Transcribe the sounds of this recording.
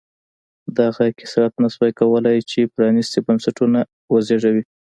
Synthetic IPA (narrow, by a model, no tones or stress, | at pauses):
d̪aɣakɪ̥sɾat̪naswajkawəlajt͡ʃepɾɑnist̪ebamsaʈuna | wazeʐawi